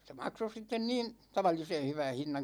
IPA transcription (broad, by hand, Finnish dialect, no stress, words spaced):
se mɑkso sitːen niːn tɑʋɑlːise hyʋæn̞ hinːɑn̞